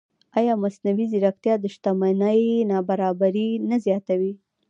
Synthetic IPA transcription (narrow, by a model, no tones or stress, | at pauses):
ɑjɑmasnawiziɾaxt̪jɑd̪əʃt̪amanəjnɑbaɾɑbaɾinazjɑt̪awi